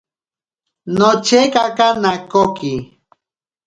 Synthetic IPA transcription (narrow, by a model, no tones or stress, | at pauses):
not͡ʃekakanakoki